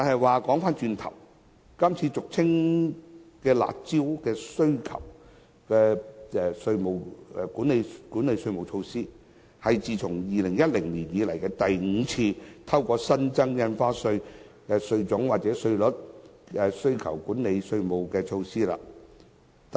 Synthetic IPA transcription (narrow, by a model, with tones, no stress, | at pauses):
t̪aː˨nhɐ˨jwaː˨kɔː˨˥ŋfaː˥nt͡ʃyː˧nt̪ʰɐ̰˨˩w | kɐ˥mt͡sʰiː˧t͡sʊ˨k̚t͡sʰɪ˥ŋ | kɛː˧la̰ː˨t̚t͡siː˥wkɛː˧sɵ˥ɥkʰɐ̰˨˩w | kɛː˧ɛː˧sɵ˧ɥmo˨wkuː˨˥ne˨˧jkuː˨˥nle˨˧jsɵ˧ɥmo˨˩wt͡ʃʰo˧wsiː˥ | hɐ˨jt͡siː˨t͡sʰʊ˨˩ŋjiː˨lɪ˨˩ŋjɐ˥t̚lɪ˨˩ŋliː˨˩njiː˨˧lɐ˨˩jkɛː˧t̪ɐ˨jŋ̩ː˨˧t͡sʰiː˧t̪ʰɐ˥wkɔː˧sɐ˥nt͡sɐ˥ŋjɐ˧nfaː˥sɵ˧ɥ | kɛ˧sɵ˧ɥt͡sʊ˨˥ŋwaː˨˩t̚t͡sɛː˨˥sɵ˧ɥlʊ˨˥t̚ɛ˨˧sɵ˥ɥkʰɐ̰˨˩wkuː˨˥nle˨˧jsɵ˧ɥmo˨˩wkɛː˧t͡ʃʰo˧wsiː˥la̰ː˧ | t̪